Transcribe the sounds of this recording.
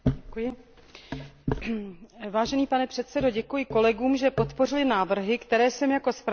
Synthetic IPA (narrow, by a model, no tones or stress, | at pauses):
kujɪ | vaːʒɛniːpanɛpr̥ɛt̪sɛdo̞ɟɛkujɪko̞lɛɡuːmʒɛpo̞t̪po̞rɪlɪnaːvr̩ɦɪkt̪ɛɾɛːsɛmjako̞spɾ